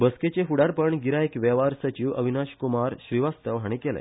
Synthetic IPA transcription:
bəsket͡ɕeɦuɽaɾpəɳɡiɾaekʋɛʋaɾsət͡ɕiːwʔəʋʱinaɕkumaɾɕʋiʋast̪əʋɦaɽ̃ikelḛ̃

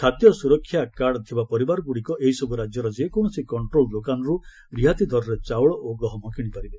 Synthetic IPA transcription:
st̪ʰat̪jɔsuɾɔkʰːjakaɽɔt̪ʰibapɔɾibaɾɔɡuɽikɔʔeɦisɔbuɾad͡ʒjɔɾɔd͡ʒekɔɳ̃ɔsikɔɳʈɾolɖokanɔɾu | ɾiɦat̪id̪ʱɔɾɔɾet͡ʃawɭɔʔoɡɾɔɦɔmɔkiɽ̃ipaɾibe

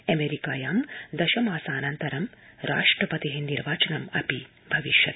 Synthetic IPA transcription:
ɐmeːɾikaːjaːmd̪ɐʃɐmaːsaːnɐnt̪ɐɾɐmɾa̰ːʂʈɾɐpɐt̪iɦeniɾʋaːt͡ʃɐnɐmɐ̰pi | bʱɐʋiʃjɐt̪

